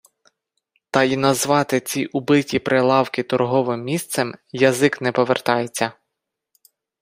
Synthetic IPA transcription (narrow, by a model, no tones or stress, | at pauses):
t̪ɐinɐzʋɑt̪ɪt͡sʲiʔʊbɪtʲipɾelˠɑwkɪt̪ɔrɦɔʋɪmːʲist̪sɛmjɐzɪknɛpɔʋert̪ɑjet͡sʲːɐ